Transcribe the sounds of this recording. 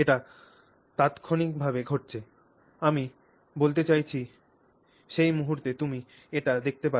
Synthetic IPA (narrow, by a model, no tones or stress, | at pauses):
eʈa | t̪at̪kʰonik̚bʱabeɡʱoʈ̚t͡ɕʰe | ami | bolt̪et͡ɕajt͡ɕʰi | ʃejmuɦuɾt̪et̪umi | eʈad̪ek̚ʰt̪epa